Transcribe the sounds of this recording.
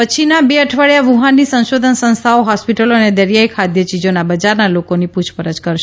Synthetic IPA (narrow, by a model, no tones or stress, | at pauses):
pət͡ʃʰinabeəʈʰʋaɭjaʋuɦanːisə̃nʃod̪ʱənsə̃ñst̪ʰaoɦɔspiʈəloəned̪əɾjajkʰad̪jət͡ʃid͡ʒonabəd͡ʒaɾnalokoniput͡ʃʰpəɾəd͡ʒkəɾʃe